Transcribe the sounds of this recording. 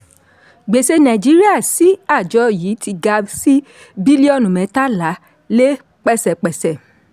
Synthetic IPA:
ɡ͡be˨se˧nã˨d͡ʒi˨˦ɾi˦a˦˨si˨˦a˦˨d͡ʒɔ˨˦jiː˨˦ti˧ɡa˧si˦ | bi˦li˦ɔ˦˨nũ˨mɛ̃˨˧˦ta˦la˨˦ | le˦ | k͡pɛ˦˨sɛ˨k͡pɛ˨sɛ˨

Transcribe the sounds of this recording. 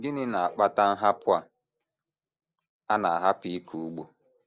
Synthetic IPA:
ŋ̩˨ɡɪ˦nɪ˦na˨a˨k͡pa˦ta˦n̩˦ɦa˦pʊ˦a˨ | a˦na˨a˨ɦa˦pi˦kʰu˨u˦ɡ͡bo˨

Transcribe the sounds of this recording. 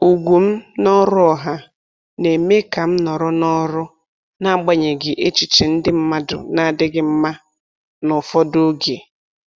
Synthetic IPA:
u˨ɡʷu˨m̩˦nɔ˦ɾʊ˦ɔ˨ɦa˦ | ne˨me˦ka˨m̩˦nɔ˨ɾʊ˦nɔ˦ɾʊ˦ | na˦˨ɡ͡ba˦ɲe˨ɡɪ˨ʔe˦t͡ʃi˨t͡ʃe˨n̩˦dɪ˦m̩˦ma˦dʊ̰˨na˦˨dɪ˦ɡɪ˦m̩˦ma˦ | nʊ˨fɔ˦do˦ɡe˨

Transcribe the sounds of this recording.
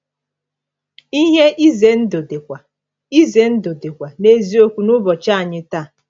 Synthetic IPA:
i˦ɦe˦ʔi˦ze˨n̩˦do˨de˨kʷa˨ | i˦ze˨n̩˦do˨de˨kʷa˨ne˦zi˦o˦kʷu˦nʊ˦bɔ˨t͡ʃa˦a˨ɲɪ˦ta˦˨

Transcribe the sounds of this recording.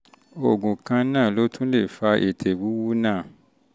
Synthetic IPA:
o˨ɡũ˨kã˧nãː˦˨lo˨˦tʰũ˦le˦˨fa˧ʔḛ˨tʰe˨wu˨˦wu˦nãː˦˨

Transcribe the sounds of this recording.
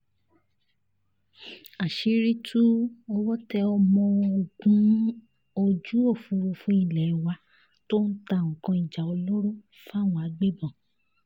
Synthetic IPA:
a˨ʃi˨˦ɾi˦tʰu˦ɔ˧wɔ˦tɛ˧ɔ˧mɔ̃˧o˨ɡũ˨˦ | o˧d͡ʒu˦o˦˨fũ˧ɾo˧fũ˧˦i˦˨lɛ˨i˨wa˧ | to˦n̩˦ta˧˨ɔ̃˨kɔ̃˧i˨d͡ʒa˨ɔ˧lo˦ɾõ˦ | fa˦˨w̃ɔ̃˧a˨˧ɡ͡be˦˨bɔ̃˨

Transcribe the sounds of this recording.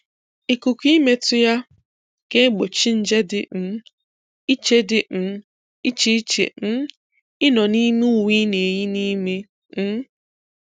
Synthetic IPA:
i˨ku˨kʷi˦me˦tʊ˦ja˦ | ke˦ɡ͡bo˨t͡ʃi˦n̩˦d͡ʒe˦dɪ˨n̩˦ | i˦t͡ʃe˦dɪ˨n̩˨˦ | i˦t͡ʃi˦t͡ʃḛ˨n̩˦ | ɪ˦nɔ˨ni˦me˦u˦wi˦ne˨ji˦ni˦me˦ | n̩˦

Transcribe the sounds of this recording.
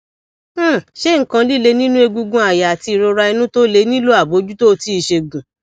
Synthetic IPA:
ʃe˦ŋ̩˨kã˧li˦˨le˧nĩ˦nũ˦e˧ɡũ˧ɡũ˧a˨ja˨a˨ti˧i˨ɾo˧ɾa˧i˧nũ˦to˦le˧˦nĩ˦lo˦a˦˨bo˨˦d͡ʒu˦to˦˧ti˦i˧ʃe˧ɡũ˨

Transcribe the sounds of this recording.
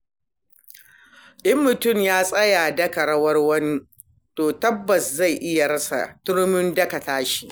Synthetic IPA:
ʔɪ˦mːʊ˨tʊ˦˨mjaː˦sʼɐ˦ja˨dɐ˦kɐ˨ɽɐ˦wɐ˦rwɐ˦ni˦ | toː˨tɐ˦bːɐ˨sza˦˨jʔɪ˦ja˨ɽɐ˦sa̰˨tʊ˦ɽmɪ˦ndɐ˦kɐ˨taː˦ʃi̥˦˨

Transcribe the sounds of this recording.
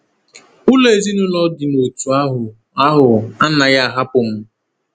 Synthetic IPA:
ʊ˦le˨zi˦nʊ˦lɔ˦dɪ˨no˨tu˨a˦ɦʊ˨ | a˦ɦʊ˨a˦na˨ja˦a˨ɦa˦pʊ˨m̩˦

